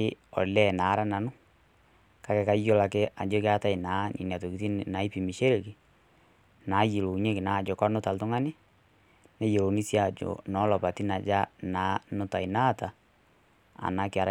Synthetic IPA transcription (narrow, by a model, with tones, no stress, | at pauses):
ɪ˦ɔ̰˨lɛ˦˨naː˨˦ɾa˦na˨nʊ˦ | ka˦kɛ˨ka˦jo˦la˨ke˦a˨d͡ʒo˦kɪ˦a˦ta˦ɪ˨naː˨˦ɲḭ˨ni˨a˨to˨ki˨ti˦n˨na˨i˦pi˨mi˨ʃe˦ɾe˨kɪ˨ | naː˨˦ji˨lo˨ɲe˦kɪ˨na˨d͡ʒɔ˨kɔ˦nʊ˦ta˨ltʊ˦ŋa˦nɪ˦ | nɛ˦je˨lo˨ni˦sja˦˨d͡ʒo̰˨nɔ˨˦lɔ˨pa˨ti˦na˨d͡ʒa˦naː˨˦nʊ˦ta˨i˨na˦˨ta˨ | a̰˨na˨˦kɪ˨a˨ɾ